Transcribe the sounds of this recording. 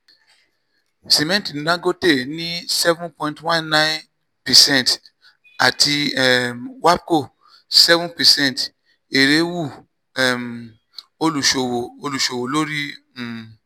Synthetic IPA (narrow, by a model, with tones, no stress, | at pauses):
si˨mɛ̃˦ntĩ˨nã˦ɡo˦te˦˨nĩ˦sɛ˦vũ˦npɔ̃˧˨ĩ˨twã˦˨nnã˦n | pɛ˨sɛ̃˦˨nt | a˨ti˧ɛ˨mwa˦b̚ko˦˨ | sɛ˦vũ˦pɛ˨sɛ̃˦˨n˨t | e˨ɾe˨˦wu˦˨ | ɛ˨m | o˧lu˨ʃo˨wo˨o˧lu˨ʃo˨wo˨lo˦ɾi˦˨